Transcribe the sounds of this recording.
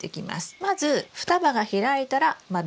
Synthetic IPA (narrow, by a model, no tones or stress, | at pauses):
ekʲima̰sɨ̥mazɨɸɯ̥t̪abaɡaçiɾait̪aɾamad̪